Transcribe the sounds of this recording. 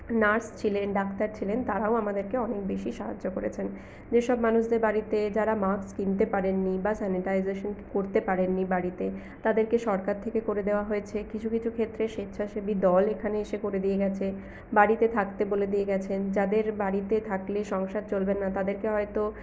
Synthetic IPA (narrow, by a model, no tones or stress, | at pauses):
naɾst͡ɕʰilenɖakt̪aɾt͡ɕʰilent̪aɾaoamad̪eɾkeɔnek̚beʃiʃaɦa̰d͡ʑːokoɾḛt͡ɕʰen | d͡ʑeʃɔbmanuʃd̪eɾbaɾit̪ed͡ʑaɾamakskint̪epaɾenːibasɛniʈajzeʃonkoɾt̪epaɾenːibaɾit̪e | t̪ad̪eɾkeʃɔɾkaɾt̪ʰekekoɾed̪eoaɦojet͡ɕʰekit͡ɕʰukit͡ɕʰukʰet̪ːɾeʃet̪ːɕʰaʃebid̪ɔlekʰaneeʃekoɾed̪ijeɡɛt͡ɕʰe | baɾit̪et̪ʰakt̪eboled̪ijeɡɛt͡ɕʰend͡ʑad̪eɾbaɾit̪et̪ʰakleʃɔŋʃaɾ̚t͡ɕolbenːat̪ad̪eɾkeɦɔet̪o